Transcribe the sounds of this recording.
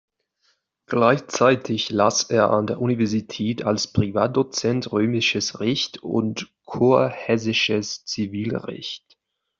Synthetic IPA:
ɡ̥laɪçt͡saɪtʰɪçlaːseːɐʔandeːɐʔunivɛɐzitʰɛːtʰalspʁ̥ivaːt̚d̥ot͡sɛntʁøːmɪʃəsʁɛçtʊ̰nt | kʰoːɐhɛs̬ɪʃəst͡siviːlʁɛ̰çt

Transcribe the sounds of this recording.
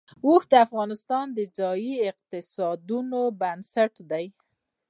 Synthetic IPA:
oxd̪əafɣɑnɪst̪ɑnd̪əd͡zɑjiɪq̚t̪ɪsɑd̪unobansaʈd̪aj

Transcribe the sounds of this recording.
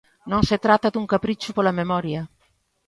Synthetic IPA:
nõŋset̪ɾat̪ːad̪uŋkapɾit͡ʃupolamemɔɾja

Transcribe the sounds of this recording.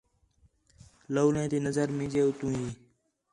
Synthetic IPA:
loːlẽːt̪iːnəzəɾmĩːd͡ʒeːʊt̪ũːɦĩː

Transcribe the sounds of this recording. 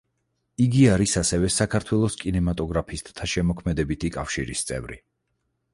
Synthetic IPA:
iɡiaɾisasɛvɛsakʰaɾt̪ʰwɛlˠɔskʼinɛmat̪ʼɔɡɾapʰist̪ʼt̪ʰaʃɛmɔkʰmɛd̪ɛbit̪ʰikʼafʃḭɾist̪sʼɛ̰vɾḭ

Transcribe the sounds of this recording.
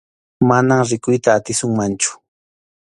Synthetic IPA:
manamɾɪkʊjt̪aːt̪ɪsʊŋmant͡ʃʊ̥

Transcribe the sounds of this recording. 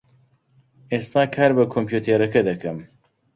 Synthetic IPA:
est̪aːkʰaːɾbɐkʰompʰjuːt̪ʰeːɾɐkɐd̪ɐkʰɐm

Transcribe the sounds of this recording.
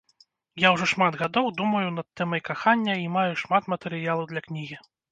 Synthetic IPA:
jawʐɔʂmad̪ɣad̪ɔwd̪umɐjunɐt̪ːɛmɐjkaxanʲːɐimajuʂmat̪mɐt̪ɛɾɨjalˠɐwd̪lʲɐknʲiɣʲi

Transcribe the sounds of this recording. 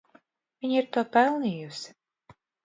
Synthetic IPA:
vʲiɲiɾt̪uɔpɛlˠniːjusi̥

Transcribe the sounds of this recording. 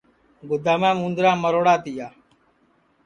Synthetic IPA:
ɡʊd̪aːmãːmũːnd̪ɾãːməɾoːɽaːt̪ɪjaː

